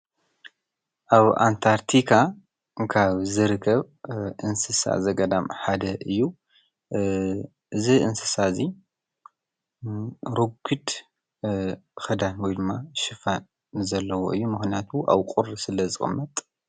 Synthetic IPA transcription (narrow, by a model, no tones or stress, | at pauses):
ʔaβa̰nt̪ʰaɾt̪ʰikʰa | kʰaβzɨɾɨkʰːɐβ | ʔɨnsɨsa̰zɐɡɐd̪amħad̪ɐʔɨjːu | ʔɨziʔɨnsɨsazi | ɾoɡɨd̪ | xɐd̪anwɔjd̪ɨmːaʃɪfan | zɐlːɐwo̰ʔɨjːumɨxnijat̪ʰuʔa̰βkʼuɾsɨlɐzɨxʼɨ̰mːɐt̪ʼ